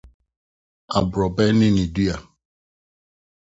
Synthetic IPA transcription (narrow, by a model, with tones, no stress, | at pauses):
a̰˨bɾɔ˨bɛ˦nɪ̃˦nĩ˨du˦a˨